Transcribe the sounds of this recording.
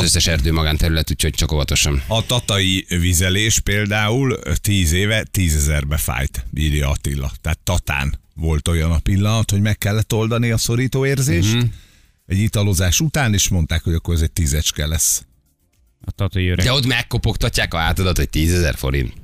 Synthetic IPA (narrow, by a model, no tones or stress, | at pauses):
zøsːɛʃɛrd̪øːmɒɡaːnt̪ɛɾylɛt̪uːcoc̚t͡ʃɒkovɒt̪o̞ʃɒnɒt̪ɒt̪ɒivizɛleːʃpeːld̪aːult̪iːzeːvɛt̪iːzɛzɛrbɛfa̰ːjt̪miːlijɒːt̪ilːɒ̰t̪ɛat̪ːɒt̪a̰ːnvo̞lt̪o̞jɒnɒpilːɒnɒt̪ho̞ɟmɛkːɛlːɛt̪ːo̞ld̪ɒniɒso̞ɾiːt̪oːeːrzeːʃt̪ | ɛɟit̪ɒlo̞zaːʃut̪aːneːʃmo̞nt̪aːkhoɟɒkːo̞ɾɛzɛc̚t̪iːzɛt͡ʃkɛlɛsː | ɒt̪ɒt̪ɒjiøɾød̪ɛot̪mɛkːo̞po̞kt̪ɒcːaːkɒaːt̪ɒd̪ɒt̪oc̚t̪iːzɛzɛ̰rfo̞̰ɾḭnt̪